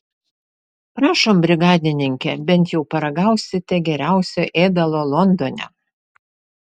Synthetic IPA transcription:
pɾɑːʃoːmbʲɾʲɪɡɑːd̪ʲɪnʲɪŋʲkʲɛbʲɛnt̪jɛʊpɐɾɐɡɐˑʊsʲɪt̪ʲɛɡʲɛɾʲæˑʊsʲoːʔeːd̪ɐlˠoːlˠɔnd̪oːnʲɛ̰

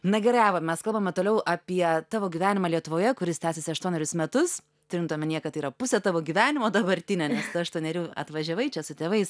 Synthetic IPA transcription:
nɐɡʲɛɾɐæːʋɐmʲɛskɐlˠbɐmʲɛt̪oːlʲɛʊʔɐpʲiɛt̪ɑːʋoːɡʲiʋʲæːnʲɪmɑːlʲiɛt̪ʊʋoːjɛkʊɾʲɪst̪ʲæːsʲesʲɪɐʃt̪uɔnʲɛɾʲʊsmʲɛt̪ʊs | t̪ʊɾʲɪnt̪oɔmʲɛnʲiːɛkɐt̪iːɾɐpʊsʲɛt̪ɑːʋoːɡʲiʋʲæːnʲɪmoːd̪ɐbɐɾʲt̪ʲɪnʲɛnʲɛst̪ɐɐʃt̪uɔnʲɛɾʲuːɐ̰t̪ʋɐʒʲɛʋɐɪt͡ʃʲɛsʊt̪ʲeːʋɐɪs

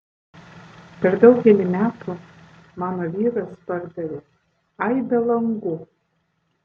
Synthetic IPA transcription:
pʲɛɾd̪ɐʊɡʲɛlʲɪmʲæːt̪u | mɑːnoʋʲiːɾɐspɑɾd̪ɐɾʲe | ɑjd̪ɐlˠɐŋɡu

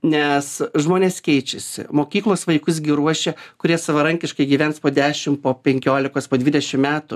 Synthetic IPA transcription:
nʲɛsʒmoːnʲeːskʲɛɪt͡ʃʲɛsʲɪ̰moːkʲiːklˠoːsʋɐɪkʊs̬ɡʲɪɾuɔʃʲɛkʊɾʲiɛsɐʋɐɾɐŋʲkʲɪʃkɐɪɡʲiːʋʲɛntspoːd̪ʲæːʃʲɪmpoːpʲɛŋʲkʲoːlʲɪkoːspoːd̪ʲʋʲid̪ʲɛʃʲɪmmʲæːt̪ʊ

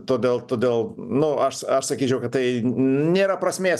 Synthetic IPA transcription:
t̪oːd̪ʲeːlˠt̪oːd̪ʲeːlˠnʊɐʃɐʃsɐkʲiːt͡ʃʲɛʊkɐt̪̚t̪ɐɪnʲeːɾɐpɾɐsʲmʲeː

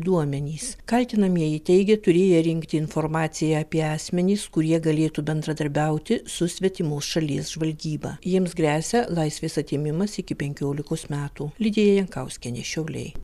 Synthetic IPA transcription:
d̪uɔmʲɛnʲiːskɐlʲt̪ʲɪnɐmʲiɛit̪ʲɛɪɡʲɛt̪ʊɾʲeːjɛɾʲɪŋkt̪ʲɪɪnfoɾmɑːt̪sʲɪjɛɐpʲiɛɑːsʲmʲɛnʲiːskʊɾʲiɛɡɐlʲeːt̪uːbʲɛnd̪ɾɐd̪ɐɾʲbʲɛʊt̪ʲɪsʊsʲʋʲɛt̪ʲɪmoːsʃɐlʲiɛsʒʋɐlʲɡʲiːbɑ̰ːjiɛmsɡɾʲæːsʲɛlˠɐɪsʲʋʲeːsɐt̪ʲeːmʲɪmɐsɪkʲɪpʲɛŋʲkʲoːlʲɪkoːsmʲæːt̪uːlʲɪd̪ʲeːjɛjɛŋkɐʊsʲkʲɛnʲḛːʃʲɛʊlʲɛ̰ɪ

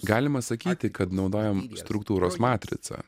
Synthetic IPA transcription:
ɡɑːlʲɪmɐsɐkʲiːt̪ʲɪkɐt̪nɒʊd̪oːjɛmst̪ɾʊkt̪uːɾoːsmɑːt̪ʲɾʲɪ̰t̪sɐ̰

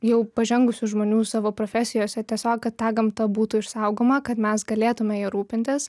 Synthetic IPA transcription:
jɛʊpɐʒʲɛŋɡʊsʲʊʒmoːnʲuːsɑːʋoːpɾoːfʲæsʲɪjoːsʲɛt̪ʲiɛsʲoːkkɐt̪t̪ɑːɡɐmt̪ɐbuːt̪ʊɪʃsɐʊɡoːmɐkɐt̪mʲɛsɡɐlʲeːt̪ʊmʲɛjiɾuːpʲɪnʲt̪ʲɪs

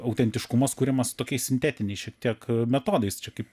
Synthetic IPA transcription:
ɐʊt̪ʲɛnʲt̪ʲɪʃkʊmɐskuːɾʲɛmɐst̪oːkʲɛɪssʲɪnʲt̪ʲæːt̪ʲɪnʲɛɪsʃʲiɛk̚t̪ʲiɛkmʲɛt̪oːd̪ɐɪst͡ʃʲɛkɐɪp

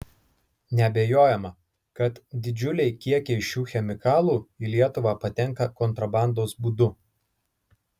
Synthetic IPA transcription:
nʲɛɐbʲeːjoːjɛmɐ | kɐt̪d̪ʲɪd͡ʒʲʊlʲɛɪkʲiɛkʲɛɪʃʲuːxʲɛmʲɪkɑːlˠuːiːlʲiɛt̪ʊʋɑːpɐt̪ʲɛŋˑkɐkɔnt̪ɾɐbɑˑnd̪oːsbuːd̪ʊ

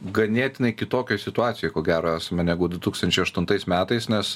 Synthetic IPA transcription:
ɡɐnʲeɛt̪ʲɪnɐɪkʲɪt̪oːkʲɛːsʲɪt̪ʊɑːt̪sʲɪjɛːkoːɡʲæːɾoːæːsɐmɐnʲæːɡʊd̪ʊt̪uːkst̪ɐnʲt͡ʃʲɛɪɐʃt̪ʊnt̪ɐɪsmʲæːt̪ɐɪsnʲɛs

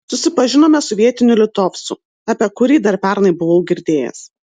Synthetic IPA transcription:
sʊsʲɪpɐʒʲɪnoːmʲɛsɔʋʲiɛt̪ʲɪnʲʊlʲɪt̪oːfsʊ | ɐpʲiɛkʊɾʲiːd̪ɐɾpʲɛɾnɐɪbʊʋoʊɡʲɪɾʲd̪ʲeːjɛ̰s

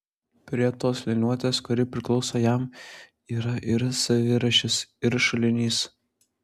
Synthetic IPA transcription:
pʲɾʲiɛt̪oːsʋʲɪnʲuɔt̪ʲeːskʊɾʲɪpʲɾʲɪklˠɒʊsoːjæm | iːɾɐʔɪɾsɐʋʲɪɾɐʃʲɪsɪɾʃɐlʲɪnʲiːs

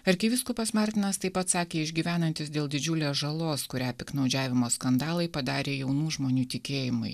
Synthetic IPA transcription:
ɐɾʲkʲɪʋʲɪskupɐsmɑːɾʲt̪ʲɪnɐst̪ɐɪpɐt̪sɑːkʲeːɪʒʲɡʲiːʋʲæːnɐnʲt̪ʲɪsd̪ʲeːlˠd̪ʲɪd͡ʒʲʊlʲeːsʒɐlˠoːskʊɾʲæːpʲɪknɐʊd͡ʒʲæːʋʲɪmoːskɐnd̪ɑːlˠɐɪpɐd̪ɑːɾʲeːjɛʊnuːʒmoːnʲuːt̪ʲɪkʲeːjɪmʊ̰ɪ

